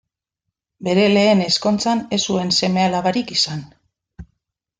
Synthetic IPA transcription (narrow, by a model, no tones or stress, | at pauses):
be̞ɾe̞le̞ːne̞sko̞nt͡sane̞sue̞nse̞me̞alaβaɾikisan